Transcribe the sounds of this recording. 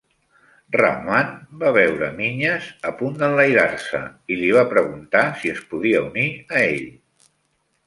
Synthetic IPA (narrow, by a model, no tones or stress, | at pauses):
ra̰manbaβɛwɾəmiɲəzəpund̪ənləjɾarsə̰iliβ̞apɾəɣ̞unt̪asiəspuðiəuniəeʎ